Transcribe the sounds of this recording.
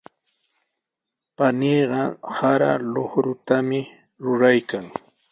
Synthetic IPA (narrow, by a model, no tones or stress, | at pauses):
paniːɢɑhaɾa̰loχɾʊt̪amɪ | ɾʊɾajkaŋ